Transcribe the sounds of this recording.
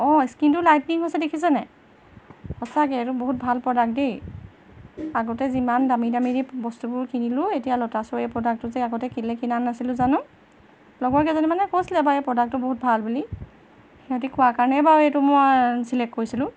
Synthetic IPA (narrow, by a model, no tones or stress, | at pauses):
ɔskintulajtniŋɦojsɛdekʰis̬ɛnɛ | xɔsakɛtʊboɦut̚bʱalpɹɔdak̚dej | aɡɔtɛzimandamidamiɹibɔstubʊɹkinilʊetijalɔtasɔejpɹɔdak̚tʊzɛaɡɔtɛkilɛkinanːasilʊ̃zanʊ̃ | lɔɡɔɹkɛzɔnimanɛkosilɛbaepɹɔdak̚tʊboɦut̚bʱalbuli | ɛatikʰʊwakaɹnɛbaetumɔjsilɛk̚kːoɹisilʊ̃